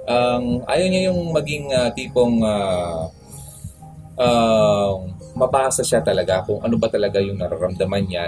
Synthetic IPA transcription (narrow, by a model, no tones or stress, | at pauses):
ʔamʔa̰ːjoɲajʊŋmɐɡiŋɐt̪iːpo̞ŋa | ʔa | mɐpaːsɐʃat̪ɐlɐɡakʊŋʔɐ̰nobɐt̪ɐlɐɡajʊŋnɐɾɐɾɐmd̪ɐmanɲa